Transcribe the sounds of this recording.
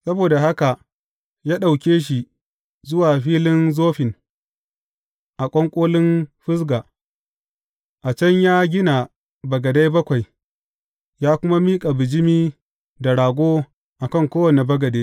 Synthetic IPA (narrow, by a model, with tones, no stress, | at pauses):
sɐ˦boː˨da˨ɦa˦ka˨ʔ | jaː˦ɗa˨wkʲeː˦ʃ̬i˨ | zʊ˦waː˨ɸiː˦lɪ˦nzoː˦ɸɪ˨n | ʔa˨kʷʼɔ˦ŋkʷʼoː˦lɪ˦nɸɪ˦s̬ɡa˨ | ʔa˨t͡ʃɐ˦ɲjaː˦ɡʲɪ˦na˨ | bɐ˨ɡɐ˨da˦jbɐ˦kʷa˨j | jaː˦kʷʊ˦ma˦miː˦kʼa˨bɪ˨d͡ʒɪ˦miː˦ | da˨ɽaː˨ɡʷoː˦ | ʔa˨kɐ˦ŋkʷoː˦wɐ˨ne˨bɐ˦ɡɐ˨deː˦